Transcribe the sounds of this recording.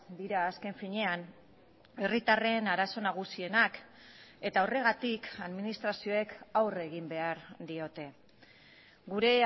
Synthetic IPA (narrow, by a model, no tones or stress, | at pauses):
d̪iɾaːske̞ɱfiɲe̞an | e̞rit̪are̞naɾaso̞naɣ̞usie̞nak | e̞t̪ao̞re̞ɣ̞at̪ikaðminist̪ɾasio̞e̞kawre̞ɣ̞imbe̞aɾd̪io̞t̪e̞ | ɡuɾe̞